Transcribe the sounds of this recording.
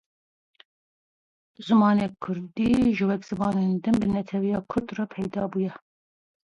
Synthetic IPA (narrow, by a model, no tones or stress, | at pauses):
zɨmɑːnekʰʊɾd̪iːʒɨwɛkz̥ɨmɑːnend̪ɨmbɨnɛt̪ʰɛwijɑːkʰʊɾd̪rɑpʰɛjd̪ɑːbuːjɛ